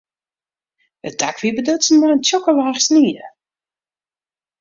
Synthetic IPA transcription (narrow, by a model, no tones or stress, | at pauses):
ət̚dakʋibədøtsən̩mɔjəntʰjɔkəlaːχsniːə